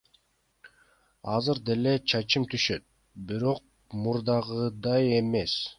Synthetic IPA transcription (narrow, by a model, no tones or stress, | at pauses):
ɑzɯɾd̪e̞le̞t͡ʃʰɑt͡ʃɯmt̪ʰyʃø̞t̪̚ | biɾo̞q̚ | muɾd̪ɑʁɯd̪ɑje̞me̞s